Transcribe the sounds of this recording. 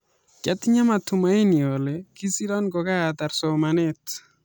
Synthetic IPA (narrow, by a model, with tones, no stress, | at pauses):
kɛ˦t̪ɲa˦ma˨tʊ˨ma˦i˦ni˨o˨le˨ki˦si˦ɾɔ˦nɡɔ˨ka˦a˨t̪a˨ɾsɔ˨ma˨ne˦t